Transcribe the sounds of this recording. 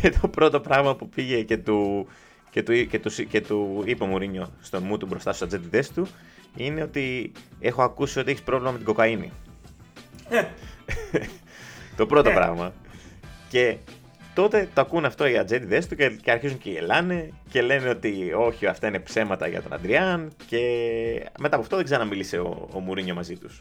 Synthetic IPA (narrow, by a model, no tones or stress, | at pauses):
et̪ʰo̞pɾo̞t̪o̞pɾɐɣmɐpupiʝe̞ce̞t̪u | cet̪uicet̪usice̞t̪uipemuɾiɲo̞st̪onmut̪ubɾo̞st̪ɐst̪usɐd͡zet̪iðe̞st̪u | ine̞o̞t̪ie̞xo̞ɐkusiot̪ieçispɾo̞vlimɐme̞t̪iɡo̞kɐinḭ | t̪o̞pɾo̞t̪opɾɐ̰ɣmɐ | ce̞ | t̪o̞t̪e̞t̪oɐkunɐft̪o̞iɐd͡zet̪iðe̞st̪uceceɐɾçizuɲceiḛlɐnece̞le̞neo̞t̪io̞çiɐft̪ɐine̞pse̞mɐt̪ɐ̰ʝɐ̰t̪onɐ̰nd̪ɾiɐnce̞ | met̪ɐpoɐft̪oðeɡzeɾɐnɐmilise̞o̰o̰muɾiɲo̞mɐzit̪us